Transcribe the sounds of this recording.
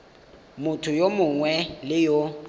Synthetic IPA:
mʊtʰʊjomʊŋwɛlɪjo

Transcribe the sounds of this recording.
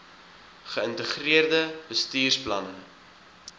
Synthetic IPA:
χəəntəχriərdəbəstiːrsplɐnə

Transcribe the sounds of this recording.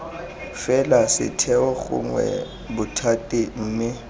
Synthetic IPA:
fɛlasɪ̰tʰɛwɔɣʊ̰ŋwɛ̰ | bʊtʰatʼin̩ːnɪ

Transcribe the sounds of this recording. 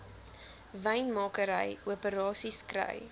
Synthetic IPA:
vɛjnmɑːkəɾəjuəpəɾɑːsiskrə̰j

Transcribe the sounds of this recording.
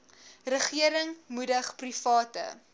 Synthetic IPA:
rəχiəɾəŋmudəχprifɑːtə̰

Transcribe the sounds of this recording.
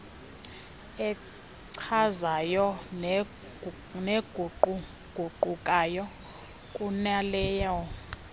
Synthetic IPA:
ɛ | ǀʰazajɔn | neɡʱ | ɡ̥ʱuǃukʼajɔ | kʼunalɛːjɔ

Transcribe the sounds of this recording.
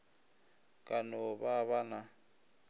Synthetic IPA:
kʼanɔβaβana

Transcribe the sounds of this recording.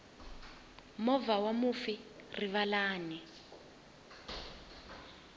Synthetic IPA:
mɔvawamufiriβalaːni

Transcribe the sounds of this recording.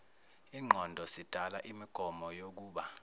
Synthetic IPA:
iːŋ͡ǃʱɔndʱɔsid̥ʱala̰ʔimiɡ̥ʱɔmɔjok̬uːɓa

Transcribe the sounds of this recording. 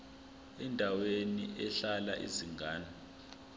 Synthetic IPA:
ɛndʱaweniʔɛɬala̰ʔḭziŋɡaːna

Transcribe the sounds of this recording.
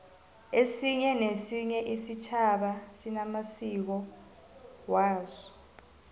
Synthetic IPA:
esiɲɛnesiɲɛʔisit͡ʃʰaɓasinamasik̬ɔ | waːzɔ

